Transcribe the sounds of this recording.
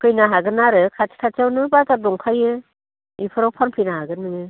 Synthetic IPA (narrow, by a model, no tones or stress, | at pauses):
kʰɯjnaɦaɡɯnaɾɯkʰat͡ʃʰi̥kʰat͡ʃawnɯbazadɔŋkʰajɯ | ipʰɯɾawpʰanpʰɯjnaɦaɡɯnɯŋɯ